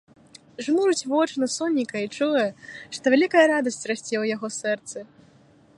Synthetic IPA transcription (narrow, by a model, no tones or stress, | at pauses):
ʐmuɾut͡sʲvɔt͡ʂnɐsɔnʲːikɐit͡ʂɔjɐʂt̪ɔvʲalʲikɐjɐɾad̪ɐsʲt͡sʲrasʲt͡sʲɛwjaɣɔsɛrt̪sɨ